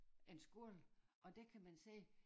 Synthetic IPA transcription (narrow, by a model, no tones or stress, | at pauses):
e̝nsɡ̥uɐlʔɒ̽d̥ekʰæmænse̝̰ː